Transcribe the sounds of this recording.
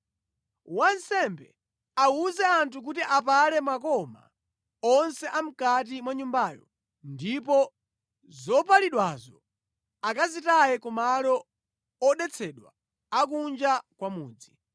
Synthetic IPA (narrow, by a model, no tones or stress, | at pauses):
wansɛmbɛ | auzɛantʰuk̬utiʔapalɛmwakɔma̰ | ɔnsɛʔam̩kat̬imwaɲumbajɔ | ndipɔ | zɔpaliɗwazɔ | akazitajɛkumalɔ | ɔɗɛt͡sʰɛɗwaː | k̬und͡ʒakwamuːd͡zi